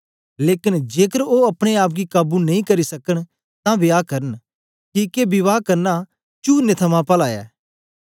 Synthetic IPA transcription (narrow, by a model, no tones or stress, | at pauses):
leːkɪnd͡ʒeːkəɾoɐpɽ̃eaːp̬̚ɡikaːbunɐĩkɐɾisɐkəɽ̃ | t̪ãbɪjaːkɐɾən | kikebɪʋaːkɐɾna | t͡ʃuːnet̪ʰɐmãpɐlaːɛ̰ː